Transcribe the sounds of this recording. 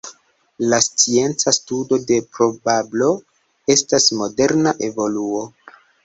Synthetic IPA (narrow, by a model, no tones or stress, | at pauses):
last͡sie̞nt͡sastudo̞de̞pɾo̞bablo̞ | e̞stasmo̞de̞ɾnaʔe̞vo̞luo